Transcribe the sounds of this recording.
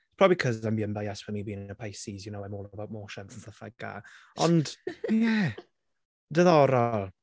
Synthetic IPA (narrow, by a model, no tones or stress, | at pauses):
pʰr̥ɔːbikʰɔzambiənbajɛswəmiːbiːnəpʰajsizjənowamoːlˠəbawt̚mɔːʃɛnθən̩θəfaɡ̚ɡ̥a̰ | ɔnd̥jɛ | dəðɔɾɔ